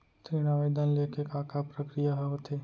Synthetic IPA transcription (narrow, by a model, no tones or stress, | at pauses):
t̪ɾiñaʋejd̪ʱanlekʰekaːkʰapɾəkɾijaɦoɦot̪ʰe